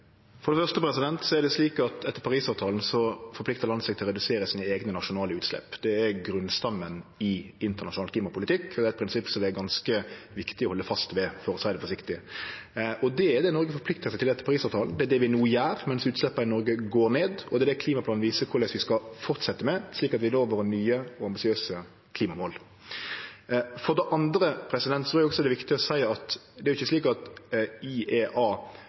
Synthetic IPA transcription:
fɔɾɖ̪ɛfœʁʂt̪əpɾɛsɪd̪ɛnt̪sɔɛɾd̪ɛsliːkɑt̪ɛt̪ːəɾpɑɾiːsɑːʋt̪ʰɑːln̩sɔfɔɾpʰlɪkt̪əɾlɑnsɛɡ̚t̪ɪlɾɛd̪ʉseːɾəsiːnəeːɡnənɑʂʊnɑːləʉːt̪slɛ̰pːd̪ɛæɾɡɾʉnst̪ɑmːənɪɪnt̪əɾnɑʃʊnɑlkliːmɑpʰʊlɪt̪ʰɪkːʰɔd̪ɛːæɪt̪̚pɾɪnsɪpːsɔmd̪ɛæɾɡɑnskəʋɪkt̪ɪɔhɔlːəfɑst̪ʋɛfɔɾsæɪd̪əfɔʂɪkt̪ɪ | ɔd̪ɛæɾd̪ɛnɔɾɡəfɔɾpʰlɪk̚t̪əɾsæɪt̪ɪlɛt̪ːəpʰɑʁiːsɑːʋt̪ʰɑːln̩d̪ɛæd̪ɛʋɪnuːəjæːɾmɛnsʉːt̪slɛpːɑɪnɔɾɡəɡoːɾneːd̪ɔd̪ɛæd̪ɛkʰliːmɑpʰlɑːnʋiːsəkʰʊɾlɛsʋɪskɑfɔʁt̪sɛt̪ːəmɛsliːkɑt̪ʋɪloːʋəɾnyːəɔɑmbɪsɪøːsə | kʰliːmɑmoːl | fɔʁd̪ɛʔɑnd̪ɾəpʰɾɛsɪd̪ɛnt̪t̪ʰʊːɾɪɔksɔɛd̪ɛʋɪkt̪ɪəɔsæɪɑt̪d̪ɛæɾʊɪçːəsliːkɑt̪ieːʔɑː

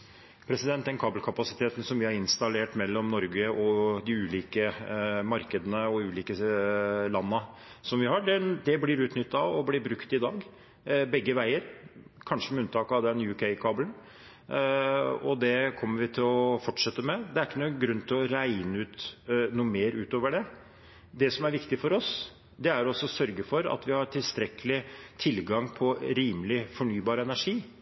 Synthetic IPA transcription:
pʰɾɛsɪd̪ɛnt̪d̪ɛnkʰɑːblkʰɑpɑsɪt̪ʰeːt̪ən̩sɔmʋɪhɑɾɪnst̪ɑleːʈmɛlːɔmnɔɾɡəʔɔd̪ɪʉːliːkəmɑɾkəd̪ənəɔʉːliːkə | lɑnːəsɔmʋɪhɑːɖɛd̪ɛblɪɾʉːt̪nʏt̪ːɑɔblɪbɾʉkt̪ɪd̪ɑːɡ | bɛɡːəʋæɪəɾkʰɑnʂəmɛʉnt̪ʰɑːkɑʋd̪ɛnjʉkʰɛɪkʰɑːblən | ɔ̰d̪ɛkʰɔmːəʋɪt̪ʰɪlɔfɔʈʂɛt̪ːəmɛd̪ɛæɾɪkːənuːɡɾʉnːt̪ʰɪlɔɾæɪnəʉːt̪nuːəmeːɾʉːt̪oːʋəɖɛ | d̪ɛsɔmæɾʋɪkt̪ɪfɔɾɔs | d̪ɛæɾɔsːɔsœɾɡəfɔɾɑ̰t̪ʋɪhɑɾʈʰɪlst̪ɾɛkəlɪt̪ʰɪlɡɑŋpʰɔɾiːməlɪfɔɳyːbɑːɾəɛnæʂiː

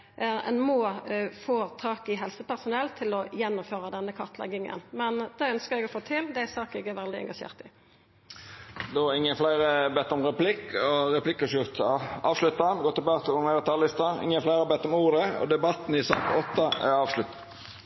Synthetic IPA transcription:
ʔɛ̰nmoːfoːt̪ʰɑːkɪɦɛlsəpæɾsʊnɛlːt̪ʰɪlɔjɛnːʊmføːɾɑd̪ɛnːəkʰɑʁt̪ʰlɛ̰ɡɪŋə̰nmɛnd̪̥ɛːœnskəɾɛɡɔfoːt̪ʰɪld̪æɪsɑːkɛɡɛɾʋɛld̪ɪɛ̰ŋɡɑʃḛːʁt̪ɪ | d̪ɔɪŋːənflæɪɾəbɛt̪ːɔmɾɛplɪkʰːɔɾɛpʰlɪkːəʃjʊɾt̪ɑʔɑːʋʂlʉt̪ːɑnɡɔːt̪ːɪlbɑːt̪əɔmɛd̪ət̪ʰɑllɪst̪ɑɪ̰ŋːənflæɪɾəbɛt̪ːɔmuːɾəɔ̰d̪ɛbɑt̪ːn̩ɪsɑ̰ːk̪ɔt̪ːɑæ̰ɾɑːʋʂlʉt̪

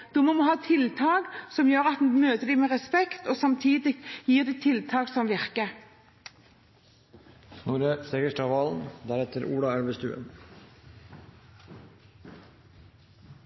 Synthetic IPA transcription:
d̪̥uːmoːmoːhɑːt̪ʰɪlt̪ʰɑːɡsɔmjøːʁɑt̪̩̚møːt̪əd̪iːmeːʁɛspɛkt̪oːsɑmt̪ʰiːd̪ɪjiːʁd̪it̪ʰɪlt̪ʰɑːksɔmʋɪʁkə | nuːɾəseːɡəʂʈɑʋɑːln̩d̪æɾɛt̪əɾuːɽɑæɽʋəst̪ʉ̰ːə̰n

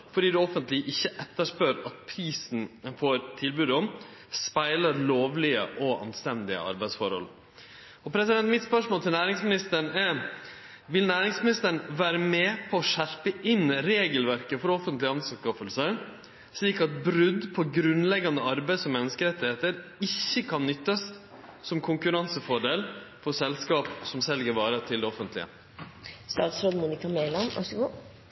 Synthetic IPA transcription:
fɔɖiːd̪ʉɔfənt̪lɪʔɪçːəʔɛt̪ːəʂpøːɾɑt̪̚pʰɾiːsn̩fɔɾt̪ʰɪlbʉːd̪ɔm | spæɪləɾɭoːʋlɪə̰ʔɔʔɑ̰nst̪ɛnd̪ɪə̰ɑ̰ɾbæɪd̪sfɔɾhɔ̰l | ɔpʰɾɛsɪd̪ɛnt̪mɪt̪spœʂmoːlt̪ɪlnæːɾɪŋsmɪnɪst̪əɳɛ | ʋɪlnæːɾɪŋsmɪnɪst̪əɳʋæːɾəmɛpʰɔːʂæɾpəʔɪnɾeːɡəlʋæɾkəfɔɾɔfənt̪lɪɑnsʉskɑfəlsə | ʂɭiːkɑt̪̚bɾʉd̪pʰɔɡɾʉnlɛɡɑnd̪əɑɾbæɪsɔmːɛnːəskəɾɛt̪ːɪheːt̪əɾɪçːəkʰɑnːʏt̪ːɑs | sɔmkʰʊŋkʉɾɑnsəfɔɖeːlfɔsɛlskɑːpsɔmsɛlɡəɾʋɑːɾət̪ʰɪld̪ɛɔfənt̪lɪ̰ə̰ | st̪ɑ̰ːt̪sɾoːd̪muːnɪkɑmeːlɑnʔɑ̰ʂɡuː

